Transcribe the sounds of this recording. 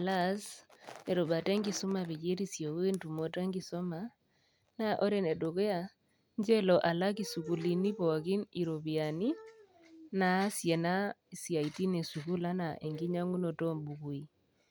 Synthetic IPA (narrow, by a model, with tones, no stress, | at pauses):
a˨la˦se˨ɾo˨ba˨tɛ˦ŋɡi˨su˦ma˨βe˨ke˦ɾi˨sjɔ˨we˦ntu˨mo˨ta˦ŋɡi˨sɔ˦ma˦ | na˦ʔo˦ɾe˦nɛ˨ɗo˨ke˦a˦ | nd͡ʒɛ˦lɔ˨ʔa˨la˦k̬i˨su˨ku˨li˨ni˦pɔ˨a˨ki˦ni˨ɾo˨βi˨a˨ni˦ | na˨˦sjɛ˨na˦˨sja˨i˨ti˦ne˨su˨ku˦la˦na˨ʔe˨ŋɡi˦ɲa˦ŋu˦no˨tɔ˦mbu˨ku˨i˨